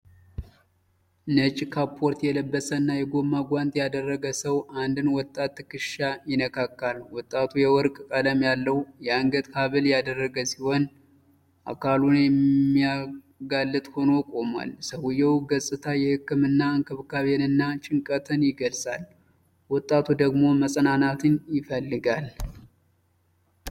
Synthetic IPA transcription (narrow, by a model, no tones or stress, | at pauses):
nət͡ʃʼkʰapʰːo̞ɾt̪jɛləbːəsənːajɛɡo̞mːaɡʷant̪ʼjad̪ərːəɡəsəwʔand̪ɨnwɔt̪ʼːat̪ːɨkɨʃajɪnəkʰakːalwɔt̪ʼːat̪ʰujɛwɔɾkʼkʼələmjalːəwjɛaŋɡəd̪ʼkʰaβɨljad̪ərːəɡəsiho̞n | ʔa̰kʰalunjɛmːija | ɡalːɨt̪ʼho̞no̞kʼo̞ma̰lsəwujɛwɡəsʼɨt̪ʰajɛhɨkːɨmɨnːaɨŋkʰɨβkʰaβenɨnːat͡ʃʼɪŋkʼət̪ʰɨnjɪɡəlsʼal | wɔt̪ʼːat̪ʰud̪əɡmo̞məsʼənanat̪ʰɨnjɪfəlːɨɡal